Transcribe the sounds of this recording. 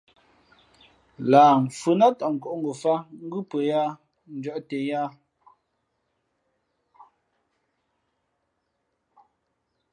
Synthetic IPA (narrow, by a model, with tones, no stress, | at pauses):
laː˨m̩˨fʉ˨na˦tɔ˨ŋ̩˨kɔ˨ʔŋ̩˦ɡo˨fa˦ŋ̩˦ɡʉ˦pə˨ja˦ | n̩˨˦d͡ʒɔ˦ʔte˨ja˦